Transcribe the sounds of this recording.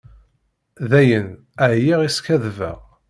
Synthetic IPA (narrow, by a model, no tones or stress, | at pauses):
ðæjən | əʕjiʁiskæðvæ̰ʁ